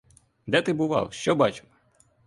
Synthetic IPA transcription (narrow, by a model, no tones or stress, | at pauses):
d̪ɛt̪ɪbʊʋɑ̰wˠʃt͡ʃɔbɑt͡ʃɪ̥m